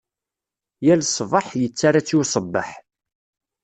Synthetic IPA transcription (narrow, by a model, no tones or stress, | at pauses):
jælsˤvəħjət͡sːaɾat͡sːjusˤəbːə̰ħ